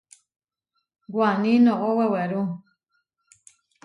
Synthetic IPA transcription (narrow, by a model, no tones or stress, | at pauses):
ɡwanĩnɔ̃ʔɔwɛwɛɾu